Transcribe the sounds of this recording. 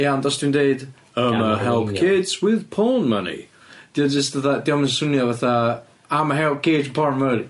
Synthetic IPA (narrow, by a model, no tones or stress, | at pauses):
jandɔstindeːd | əməɦɛlˠpkʰɪdswɪðpʰɔnmə̰nḭ | d̥iɔd͡ʒəstðaθadiɔmənsʊnjɔvaθa | amaɦɛlˠp̚kʰɪd͡ʒəpʰɔnməlˠi